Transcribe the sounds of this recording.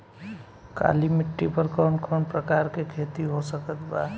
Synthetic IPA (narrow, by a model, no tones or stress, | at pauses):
ka̰limiʈːipəɾkənkʰənpɾəkaɾkekʰet̪iɦosəkət̪ba